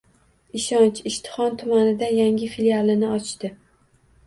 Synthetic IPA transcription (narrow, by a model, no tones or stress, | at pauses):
ɪʃɒnt͡ʃɪʃt̪ʰɪ̥χɒnt̪ʰʊmanɪd̪ajaŋʲɪfilialˠɪnɪɒt͡ʃt̪ɪ